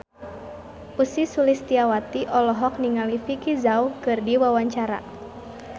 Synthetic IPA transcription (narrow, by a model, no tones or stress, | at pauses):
usisulist̪iawat̪iʔɔlɔɦɔkniŋalifikizaukɨrdiwawaɲt͡ʃaɾa̰